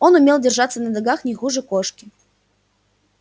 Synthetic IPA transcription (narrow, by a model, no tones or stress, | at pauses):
o̞nʊmʲelˠdʲɪrʐat̪sənəd̪ɐɡaxnʲɪxuʐɨkoʂkʲɪ